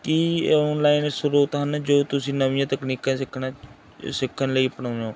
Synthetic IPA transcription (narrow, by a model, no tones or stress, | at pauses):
kiːɔːnlaːɪnsʊɾuːt̪ɦənd͡ʒoːt̪ʊsĩːnəʋɪjãːt̪əkniːkãːsɪkʰːna | sɪkʰːənləiːpəɳãːõː